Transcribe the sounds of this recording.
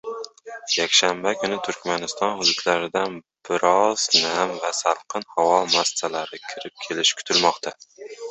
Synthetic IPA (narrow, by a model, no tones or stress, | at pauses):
jakʲʃambakʰʊnɪt̪ʰʊɾkʲmanɪst̪ɒnhʊd̪ʊt̪laɾɪd̪an | b̥ɪɾɒz̥namvasalˠqʰɨnhawɒmast̪alaɾɪkʲʰɪɾɪp̚kʲʰe̞lɪʃkʰʊ̥t̪ʰɪlmɒqt̪ʰa